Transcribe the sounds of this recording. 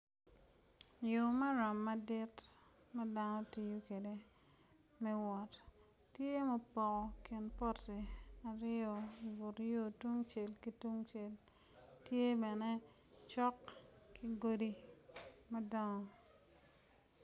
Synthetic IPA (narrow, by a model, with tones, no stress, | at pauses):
jo˨ma˦ɾa˨mːa˦dɪ˦t | ma˦da˦nɔ˦ti˨ju˦ke˨de˨ | mɛ˦wɔ˨t | tje˦mɔ˨pɔ˨kɔ˨ki˨npɔ˦ti˨a˨ɾɪɔ˨i˨vu˨tjo˦tu˦ŋt͡ʃe˨lki˦tu˦ŋt͡ʃe˨l | tje˦bɛ˨ne˦ | t͡ʃɔ˦kkʰi˦ɡo˦di˦ | ma˦dɔ˦ŋɔ˨